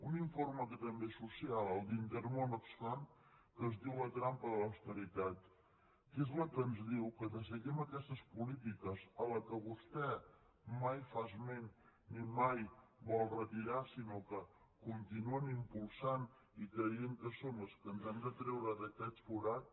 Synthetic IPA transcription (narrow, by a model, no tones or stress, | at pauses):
uniɱforməkət̪əmbesusialˠəlˠd̪int̪əɾmonəkslan | kəzd̪iwlət̪ɾampəðələwst̪əɾit̪at̪ | kezləkənzðiwkəðəs̬əɣɛməkɛst̪əspulit̪ikəzələkəβust̪ɛ | majfazmennimajβɔlˠrət̪iɾasinokə | kunt̪inuənimpulˠsan | ikɾəjeŋkəsonəskənzand̪ət̪ɾɛwɾəðəkɛfuɾat̪̚